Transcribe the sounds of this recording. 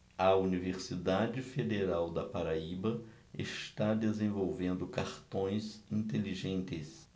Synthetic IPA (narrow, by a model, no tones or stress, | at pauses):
ɐuniveɾsid̪ad͡ʒɪfed̪eɾawd̪ɐpaɾaibɐ | ɪ̰st̪ad̪ezẽvowvẽnd̪ʊkaɾt̪õj̃zĩt̪eliʒẽnt̪ɪs